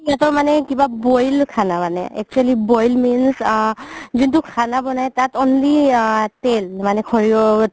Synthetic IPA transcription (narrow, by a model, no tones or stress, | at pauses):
iatɔmanɛkibabɔjlkʰanamanɛ̰ɛ̰k̚t͡ʃualibɔjlmins | zintukʰanabɔnajtatɔnlitɛlmanɛkʰɔɹiɔ